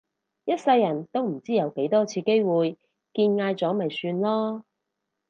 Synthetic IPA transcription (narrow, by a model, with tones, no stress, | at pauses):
jɐ˥t̚sɐ˧jːɐ˨˩nt̪o˥wm̩˨˩t͡siː˥jɐ˨˧wke˨˥jt̪ɔː˥t͡sʰiː˧ke˥jwuː˨j | kiː˧nŋaː˧jt͡sɔː˨˥mɐ˨jsyː˧nlɔː˥